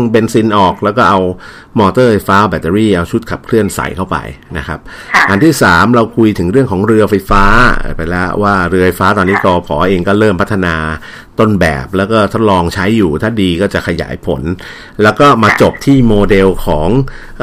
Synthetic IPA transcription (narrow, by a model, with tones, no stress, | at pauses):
ŋpe˧nsi˧nʔɔː˨˩k̚lɛː˦˥wkɔː˥˩ʔa˧w | mɔː˧t̪ɤː˥˩fa˧jfaː˦˥˩bɛː˨˧˩t̪ːe˧ɾiː˥˩ʔa˧wt͡ɕʰu˦˥t̪̚kʰa˨˩p̚kʰlɯ˥˩ənsa̰˨˦jt̪ʰa˥˩wpa̰˧jna˦˥kʰa˦˥p̚ | ʔa˧nt̪ʰiː˥˩saː˩˦mɾa˧wkʰu˧jt̪ʰɯ˩˦ŋɾɯ˥˩əŋkʰɔː˩˦ŋɾɯ˧ɐfa˧jfa̰ː˦˥˧pa˧jlɛ˦˥waː˥˩ɾɯ˧əfa˧jfaː˦˥t̪ɔː˧nːiː˦˥t̪ɔː˧pʰɔː˩˦ʔeː˧ŋkɔː˥˩ɾɤː˥˩mpʰa˦˥t̪ʰːa˧naː˧ | t̪o˥˩nbɛ̰ː˨˩p̚lɛː˦˥wkɔː˥˩t̪ʰo˦˥t̪̚lɔː˧ŋt͡ɕʰa˦˥jːuː˨˩t̪ʰaː˥˩diː˧kɔː˥˩t͡ɕa˨˩kʰa˧ja̰ː˩˦jpʰo̰˨˩˦n | lɛː˦˥wkɔː˥˩maː˧t͡ɕo˨˩p̚t̪ʰiː˥˩moː˧de˧wkʰɔː˩˦ŋ